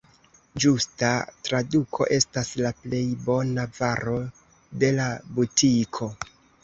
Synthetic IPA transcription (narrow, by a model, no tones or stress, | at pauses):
d͡ʒustatɾadukʰo̞̰ʔe̞staslaple̞jbo̞navaɾo̞ | de̞labutʰikʰo̞